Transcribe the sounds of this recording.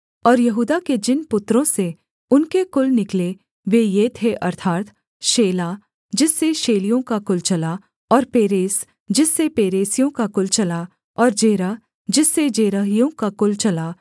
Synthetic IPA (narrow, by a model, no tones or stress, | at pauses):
ɔːɾjɐɦuːd̪aked͡ʒɪnpʊt̪ːɾõse | ʊnkekʊlnɪkle | ʋejeːt̪ʰeʔɐɾt̪ʰaːt̪ | ʃeːlaː | d͡ʒɪsːeʃeːlijõkakʊlt͡ʃɐla | ɔːɾpeːɾeːs | d͡ʒɪsːepeːɾeːsijõkakʊlt͡ʃɐla | ɔːɾd͡ʒeːɾa | d͡ʒɪsːed͡ʒeːɾəɦijõkakʊlt͡ʃɐlaː